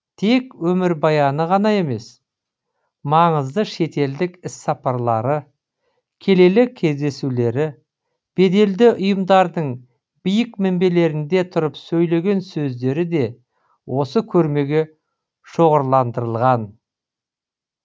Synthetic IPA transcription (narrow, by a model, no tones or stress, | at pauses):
t̪ʰe̞kwɵmɪɾbɑjɑnəʁɑnɑe̞me̞s | mɑɴəzd̪əʃe̞t̪e̞ld̪ɪkɪsːɑpɑɾlˠɑɾə | kʲʰe̞le̞lɪkʲʰːe̞zd̪e̞sule̞ɾɪ | b̥e̞d̪e̞ld̪ɪʔʊjəmd̪ɑɾd̪əɴ | bijɪkmɪmbe̞le̞ɾɪnd̪e̞t̪ʰʊɾəpsɵjle̞ɡʲe̞nsɵzd̪e̞ɾɪd̪e̞ | wʔo̞səkʲʰɵɾme̞ɡʲe̞ | ʃoʁəɾlˠɑnd̪əɾəlˠʁɑn